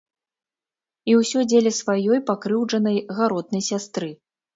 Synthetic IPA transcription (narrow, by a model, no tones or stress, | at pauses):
iwsʲɔd͡zʲelʲɛsvajɔjpakɾɨwʐɐnɐjɣaɾɔd̪̚nɐjsʲast̪ɾɨ